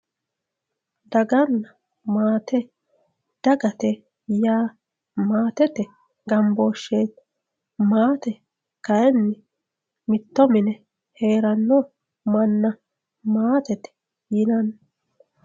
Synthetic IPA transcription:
d̪ɐɡɐnːɐ | maːt̪ʰɛ | d̪̥ɐɡɐt̪ɛ | jaː | maːt̪ɛt̪ɛ | ɡɐmboːʃːeːt̪ | maːt̪ɛ | kɐɛnːɪ | mɪt̪ːɔmɪnɛ | he̞ːɾɐnːɔ | mɐnːɐ | maːt̪ɛt̪ɛ̥ | jɪnɐnː

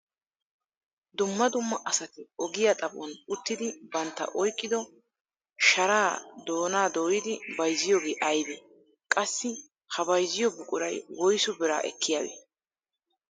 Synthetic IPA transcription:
d̪ʊmːɐd̪ʊmːɐʔɐsɐt̪ɪɔɡɪjat̪ʼɐbɔ̰nʊt̪ːɪd̪ɪbɐnt̪ːɐ̰ʔɔjkʼːɪd̪ɔ | ʃɐɾaːd̪o̞ːnaːd̪o̞ːjɪd̪ɪbɐjzɪjoːɡeːʔɐjd̪ɛ | kʼɐsːɪ | hɐbɐjzɪjɔbʊkʼʊɾɐ̰jwɔjsʊbɪɾa̰ːʔɛ̰kːɪjaːdḛː

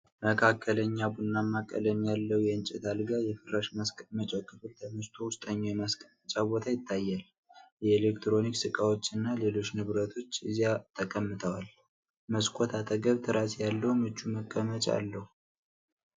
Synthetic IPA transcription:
məkʰakʰːələɲːabunːamːakʼə̰lənjalːəwujɛɨnt͡ʃʼɛt̪ʰalɡajɛfɨraʃmət͡ʃʼɛkʼːɨfɨlt̪ʰəmɨst̪ʰowʊst̪ʼəɲːojɛmaskʼəmət͡ʃʼabo̞t̪ʰajɪt̪ʰːajːal | jɛelek̚t̪ɾo̞niksɨkʼawo̞t͡ʃːɨnːale̞lo̞t͡ʃːnɨβɾət̪ʰo̞t͡ʃːɨzijat̪ʰəkʼəmːɨt̪ʰəwal | məskʷʰʼot̪ʰat̪ʼəɡəβt̪ʰɨɾasjalːəhumɨt͡ʃːuməkʼːəmət͡ʃʼa̰lːəhu

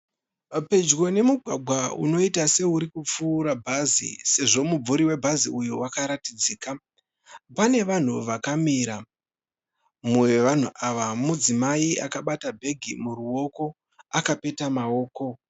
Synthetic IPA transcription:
pe̞d͡ʒɣo̞ne̞muɡʱwaɡʱwaṵno̞itase̞uɾikup͡fuːɾabʱazḭse̞ʐo̞mub͡vuɾiwe̞bʱaziujuwakaɾatid͡ziːka | pane̞ʋan̤uʋakamiːɾa | muweʋan̤uʔaʋamud͡zimaia̰kaɓatabʱe̞ɡʱimuruo̞ko̞ | akape̞tamao̞ːko̞

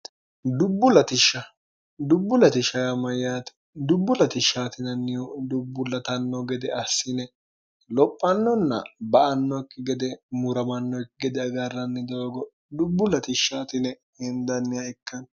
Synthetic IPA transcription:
d̪ʊbːʊlɐt̪ɪʃːɐ | d̪ʊbːʊlɐt̪ɪʃɐjamɐjaːt̪ | d̪ʊbːʊlɐt̪ɪʃaːt̪ɪnɐnːɪjɔd̪ʊbːʊlɐt̪ɐnːɔɡɛd̪ɛɐsːɪnɛ | lɔpʼːɐnːɔnːɐ̰bɐʔɐnːɔkːɪɡɛd̪ɛmʊɾɐmɐnːɔjkːɪɡɛd̪ɛɐɡɐrːɐnːɪd̪oːɡɔ | d̪ʊbːʊlɐt̪ɪʃaːt̪ɪnɛ | hɪnd̪ɐnːɪɐjkːɐn

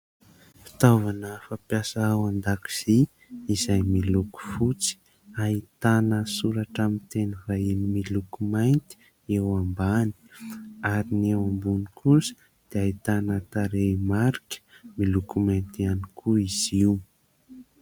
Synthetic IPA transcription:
fi̥t̪avanəfapjasaawand̪aki̥z̥i | izajmiluku̥fut͡si̥ | ait̪anəsuɾaʈ͡ʂamint̪enəvaenimilukumajnt̪i̥ | ewambani̥aɾinewambunikʰusə̥ | d̪̥eait̪anət̪aɾemaɾikʲə̥ | milukumajnt̪ianikʰuiz̥iw

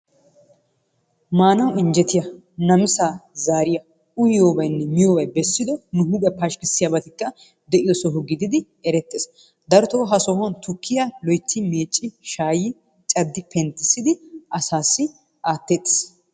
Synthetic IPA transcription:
maːnɐwɪnd͡ʒɛt̪ɪjɐ | nɐmɪsaːzaːɾɪjɐ | ʊjɪjoːbɐjnːɛmɪjɔːbɐjbɛsːɪd̪ɔnʊɦʊɡɛpaʃkɪsːɪjabɐt̪ɪkːɐ | d̪ɛʔɪjɔsɔɦʊɡɪd̪ɪd̪ɪ | ɛɾɛt̪ːeːs | d̪ɐɾt̪oːɦɐsɔhɔnt̪ʊkʰːɪjɐlɔjt̪ːɪme̞ːt͡ʃʼːɪʃaːjɪ | t͡ʃʼɐd̪ːɪpʰɛnt̪ːɪsːɪd̪ɪʔɐsaːsːɪ | ʔaːt̪ːeːt̪ːɪ̥s

